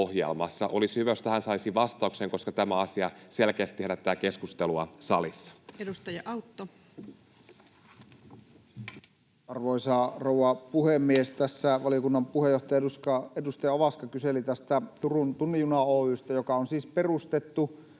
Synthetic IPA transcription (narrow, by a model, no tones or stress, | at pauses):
ohjḛlmɑ̰sːɑʔolishyʋæost̪æhænsɑisiʋɑst̪ɑukseŋko̞skɑt̪æmæɑsiɑselkeæst̪ːeɾæt̪ːæækeskust̪eluɑsɑlisːɑ̥edust̪ɑjɑʔɑut̪ːo | ɑrʋoisɑrouwɑpuhemːiest̪æsːæʋɑlijokunːɑmpuhejoht̪ɑjɑuskɑedust̪ɑjɑoʋɑskɑkyselit̪æst̪æt̪urunt̪unːijunɑoːyst̪ɑjokɑonsiːsperust̪et̪ːu